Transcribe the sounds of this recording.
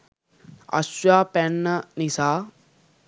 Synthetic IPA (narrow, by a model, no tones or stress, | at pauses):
ɐ̰swaːpɛnːɐnisaː